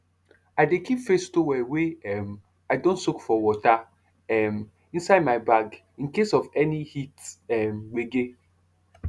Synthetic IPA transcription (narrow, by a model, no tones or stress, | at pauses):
aɪdekipfestowɛweɛm | aɪdõntsokfɔwɔta | ɛm | ĩnsaɪdmaɪbaɡ | ĩnkesɔvɛnihitɛmweɡe